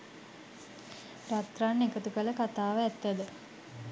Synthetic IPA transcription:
rat̪ranːekət̪ukələkat̪aːʋəæt̪ːæd̪ə

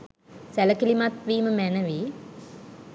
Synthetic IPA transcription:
sæləkilimat̪ʋiːməmænəʋiː

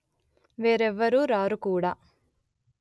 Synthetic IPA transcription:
ʋeːɾɛʋːɐɾuɾaːɾukuːɽaː

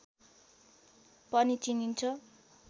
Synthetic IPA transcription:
pʌnit͡sinint͡sʰʌ

